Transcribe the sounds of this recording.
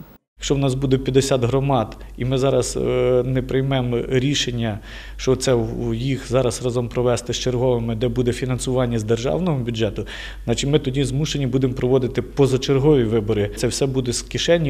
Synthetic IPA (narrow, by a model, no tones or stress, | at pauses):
jɐkʃt͡ʃɔwnɑs̬bud̪epʲjɐd̪esʲɑd̪ɦɾɔmɑd̪imɪzɑɾɐsnɛpɾɪjmɛmɾʲiʃenʲːɐ | ʃt͡ʃɔt̪sɛwjixzɑɾɐsɾɑzɔmpɾɔʋɛst̪ɪst͡ʃerɦɔʋemɪd̪ɛbud̪ɛfʲinɐnsʊʋɑnʲːɐzd̪erʒɑ̰wnɔɦɔbʲʊdʒɛt̪ʊ | znɑt͡ʃɪmɪt̪ɔdʲizmuʃenʲibud̪empɾɔʋɔd̪ɪt̪ɪpɔzɐt͡ʃerɦɔʋʲiʋɪbɔɾɪt̪sɛwsɛbud̪ɛskʲiʃɛnʲːi